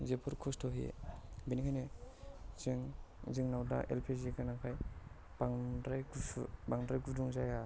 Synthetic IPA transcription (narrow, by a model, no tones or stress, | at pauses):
zepʰɔɾkʰɔstʰɔɦḛbinikʰajne | ziŋziŋnawda̰ʔḛlpʰezikanakʰaj | baŋdajɡubaŋdɾajɡuduŋzaja